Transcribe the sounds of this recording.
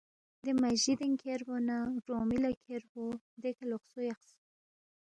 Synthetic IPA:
d̪emaʒid̪eŋkʰeɾbonaɾomilakʰeɾho | d̪ekaloxsojaqs

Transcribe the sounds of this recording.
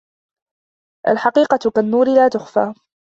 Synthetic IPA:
ʔa̰lħɑqiːqɑt̪kanːuːɾɪlaːt̪ʊxfaː

